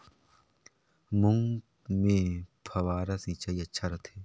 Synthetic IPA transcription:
mʊŋ | mẽpʰɐwaːɾasit͡ʃaːiɐtːʃʰaɾɐt̪ʰeː

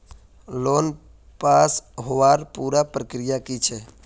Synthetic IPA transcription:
loːn | paːsɦoʋaːɾpuːɾapɾəkɾɪjakit͡ʃʰɛ

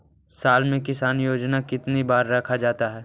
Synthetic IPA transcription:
saːlmẽkɪsaːnjoːd͡ʒnakɪt̪nibaːɾːɐkʰad͡ʒaːt̪aɦɛː

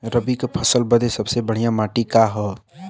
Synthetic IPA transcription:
ɾəbikepʰəsəlbəd̪esəbsebəɽ̤ijãmaʈikaɦɔ

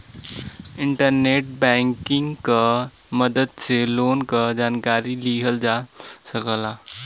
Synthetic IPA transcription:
ɪ̃ɳʈəɾneːʈ̚bɛ̃ːŋkɪ̃ŋɡka | məd̪əd̪seloːnkad͡ʒaːnkaːɾiliɦəld͡ʒaː | sɐkəlaː

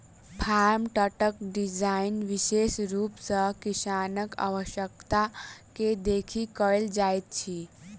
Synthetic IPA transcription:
pʰaɾmʈəʈəkɖid͡ʑainʋiʃeʃɾuːpsəkisanəka̰ʋəɕjəkt̪aked̪ekʰikəɭeld͡ʒajt̪̚t͡ɕʰiː

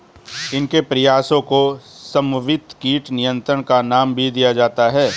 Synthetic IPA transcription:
ɪnkepɾɐjaːsõkosɐ̃mʊʋɪt̪kiːʈnɪjə̃nt̪ɾəɽ̃kanaːmbʱid̪ijad͡ʒaːt̪aɦɛː

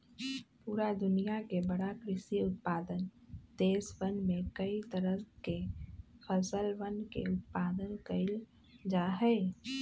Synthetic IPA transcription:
puːɾad̪ʊnijakebəɽakɾɪʃiʊt̪̚paːd̪ənd̪̥eːsʋənmẽkəit̪əɾəkefʰəsəlʋənkḛʊt̪̚paːd̪ənkəɪl | d͡ʒaɦɛː

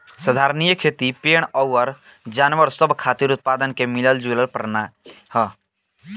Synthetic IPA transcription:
səd̪ʱaːɾnijəkʰeːt̪ipeːɽ̃ɔʋəɾ | d͡ʒaːnʋəɾsəbkʰaːt̪iɾut̪̚paːd̪ənkemɪləld͡ʒuləlpɾəna | hə

